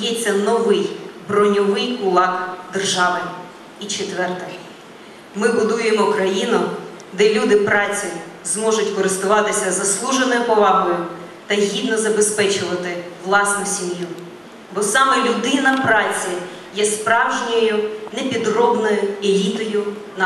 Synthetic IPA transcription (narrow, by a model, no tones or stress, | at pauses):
jɛt͡sʲːɐnɔʋɪjbɾɔnʲɔʋɪjkʊlˠɑkd̪erʒɑʋɪ | it͡ʃet̪ʋɛrt̪ɛ | mɪbʊd̪ujemɔkɾɐjinʊ | d̪ɛlʲud̪ɪpɾɑt͡sʲizmɔʒʊtʲkɔɾɪst̪ʊʋɑt̪ɪsʲɐzɐslˠuʒenɔjʊpɔʋɑɦɔjʊ | t̪ɐjɦʲid̪nɔzɐbespɛt͡ʃʊʋɐt̪ɪʋlˠɑsnʊsʲimju | bɔsɑmɛlʲʊd̪ɪnɐpɾɑt͡sʲi | jɛspɾɑwʒnʲɔjʊnepʲid̪rɔbnɔjʊelʲit̪ɔjʊ | n